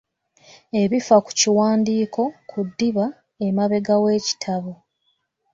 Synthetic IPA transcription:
e̞βifaku̥ciwaːndiːko̞kʰudːiβa | emaβe̞ɡawe̞ːci̥tʰaβo

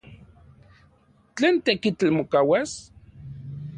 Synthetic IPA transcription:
t͡ɬeːnt̪ekit͡ɬalmokawas

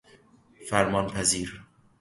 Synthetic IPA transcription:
fæɾmɒːnpʰæziːɾ

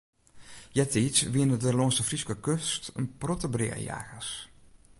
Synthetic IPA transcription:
jɛtisʋiənədəloənsəfriskəkøstənprɔtəbrɪ̰ə̰ja̰ːɣəs

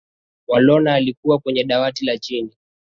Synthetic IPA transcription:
walɔnaːlikuwakwɛɲɛɗawatilat͡ʃini

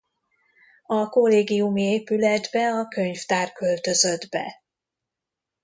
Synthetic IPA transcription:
ɒkolːeːɡijumieːpylɛd̪bɛɒkø̞ɲft̪aːrkølt̪ø̞zø̞d̪bɛ̰

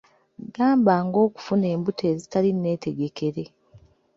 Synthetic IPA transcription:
ɡaːmbaːŋɡo̞ːku̥fune̞ːmbutʰe̞ːzitalinːe̞ːte̞ɡe̞ke̞ɾe̞

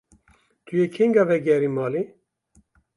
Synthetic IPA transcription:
t̪ʰujekʰeŋɡɑvɛɡɛɾimɑːli

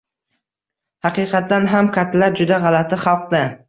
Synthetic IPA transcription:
hɑqiːqʰɑt̪ːanɦamkʲʰat̪laɾd͡ʒʊd̪aʁɑlat̪ʰɪχɑlˠqd̪ɪ

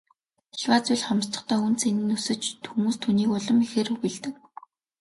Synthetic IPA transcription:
ɮwaːt͡sʊɮχamst̪ə̆χt̪ʰœːunt͡senɘ̆nɵsɘ̆t͡ɕt̪xumuːst̪ʰuniːkʊɮə̆mexeːrɵɣɘ̆ɮt̪ɘ̆k̚

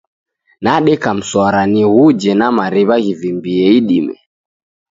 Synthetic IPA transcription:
naɗɛkam̩swaɾaniɣud͡ʒɛnamaɾiβaɣivimbiɛiɗimɛ̰

